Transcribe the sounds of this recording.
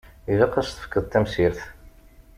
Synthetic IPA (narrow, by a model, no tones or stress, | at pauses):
iðæqːɑst̪ə̥fkːəðˤt̪ːæmsiɾθ